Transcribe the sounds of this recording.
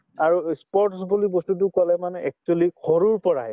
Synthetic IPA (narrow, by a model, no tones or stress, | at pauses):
aɹuspɔɹtsɔpolibɔstut̬ʊkɔlɛmanɛʔɛk̚t͡ʃualikʰɔɹuɹpɔɹa̰ɦɛ